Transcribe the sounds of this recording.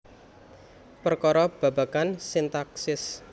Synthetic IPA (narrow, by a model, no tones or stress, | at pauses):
pərkɔɾɔb̥ä̤bakansint̪aksɪs